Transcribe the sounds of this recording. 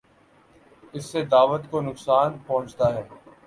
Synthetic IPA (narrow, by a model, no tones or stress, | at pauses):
ɪsːed̪aːʋət̪konʊksaːnpɐɦʊ̃t͡ʃt̪aɦɛː